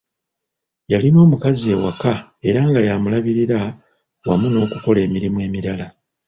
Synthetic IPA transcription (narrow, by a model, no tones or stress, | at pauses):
jalino̞ːmukazie̞ːwakae̞ɾaŋɡajamulaβiɾiɾa | wa̰muno̞ːkuko̞le̞ːmiɾimwe̞ːmiɾala